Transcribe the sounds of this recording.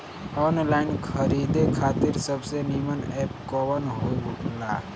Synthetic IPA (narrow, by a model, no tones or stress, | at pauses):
ɔːnlaɪnkʰəɾid̪ekʰaːt̪iɾsəbsenimənɛp̚kɔwənɦoiɦukʰla̰